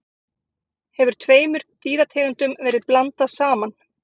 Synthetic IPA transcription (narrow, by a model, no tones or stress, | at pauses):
hɛvʏɾ̥t̪ʰveːjmʏɾ̥t̪iːɾat̪ʰeːɣant̪ʏmvɛːɾɪðplant̪asaːman